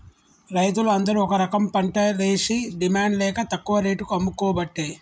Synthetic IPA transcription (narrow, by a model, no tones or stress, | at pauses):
ɾɐjt̪uluɐnd̪ɐɾuɔkɐɾɐkɐmpɐɳʈɐɾeːʂiɖimaːɳɖlɛːkɐt̪ɐkːuʋɐɾe̞ːʈukuɐmːukɔːbɐʈːeː